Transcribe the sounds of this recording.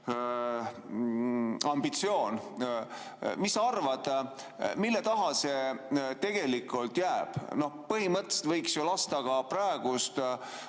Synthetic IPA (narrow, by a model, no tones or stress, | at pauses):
ɑmbit̪sio̞ːn | misːɑrvɑd̪̥ | milːet̪ɑɦɑse̞t̪e̞ɡ̥e̞likːˑult̪jæːb̥no̞hpɤɦimɤt̪ːˑese̥t̪vɤjksjolɑst̪ɑɡ̥ɑprɑeɡ̥ust̪